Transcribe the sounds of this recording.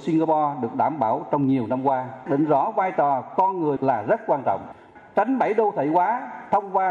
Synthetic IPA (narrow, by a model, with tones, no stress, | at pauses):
si˧ŋɣa˧pɔ˧ɗɨ˨˩ək̚ɗaː˧˩mɓaː˧˩wt͡ɕɔ˧wŋ͡mɲi˨˩əwna˧mkwaː˧ɗə˨˦ŋzɔ˨˦vaː˧jt̪ɔ˨˩kɔ˧nŋɨ˨˩əjlaː˨˩zə˦˥t̚kwaː˧nt͡ɕɔ̰˧˨wŋ͡m | t͡ɕa˨˦jŋ̟ɓə˧˩jɗo˧t̪ʰə̰˧˩˦jkwaː˨˦t̪ʰə˧wŋ͡mkwaː˧